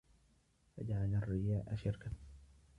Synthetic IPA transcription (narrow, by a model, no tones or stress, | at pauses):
fa̰d͡ʒaʕalarːɪjaːʔaʃɪɾka